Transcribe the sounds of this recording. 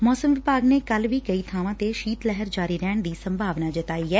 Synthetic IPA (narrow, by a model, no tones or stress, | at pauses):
mɔːsəmʋɪpaːɡneːkəlʋiːkəiːt̪ʰaːʋãːt̪eʃiːt̪lɛɦəɾd͡ʒaːɾiːɾɛːɳd̪iːsəmbʱaːʋnaːd͡ʒɪt̪aːiːɦɛː